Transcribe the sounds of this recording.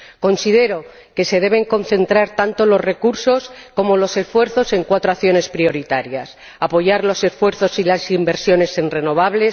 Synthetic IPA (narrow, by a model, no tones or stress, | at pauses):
ko̞nsið̞e̞ɾo̞ | ke̞se̞ð̞e̞β̞e̞ŋko̞nθẽ̞nt̪ɾaɾt̪ant̪o̞lo̞zre̞kuɾso̞sko̞mo̞lo̞se̞sfwe̞ɾθo̞se̞ŋkwat̪ɾoaθjo̞ne̞spɾio̞ɾit̪aɾjas | apo̞ʝaɾlo̞se̞sfwe̞ɾθo̞silasimbe̞ɾsjo̞ne̞senre̞no̞β̞aβ̞le̞s